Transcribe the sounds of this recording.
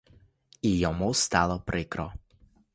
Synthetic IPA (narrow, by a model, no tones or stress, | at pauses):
ijɔmust̪alɔpɾekɾɔ